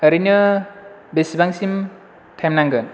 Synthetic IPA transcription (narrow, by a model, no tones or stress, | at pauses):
hɐɾinɯ | besibaŋsim | tʰajmnaŋɡɯ